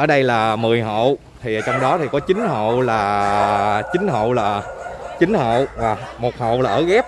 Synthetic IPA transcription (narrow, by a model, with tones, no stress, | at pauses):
ʔəː˧˩ɗə˧jlaː˨˩mɨ˨˩əjɦo̰˧˨ | t̪ʰi˨˩ʔə˨˩t͡ɕɔ˧wŋ͡mɗɔ˨˦t̪ʰi˨˩kɔ˨˦t͡ɕï˨˦ŋ̟ɦo̰˧˨laː˨˩ | t͡ɕï˨˦ŋ̟ɦo̰˧˨wlaː˨˩t͡ɕï˨˦ŋ̟ho̰˧˨vaː˨˩mo˨˩t̚ho̰˧˨wlaː˨˩ʔəː˧˩ɣɛ˦˥p̚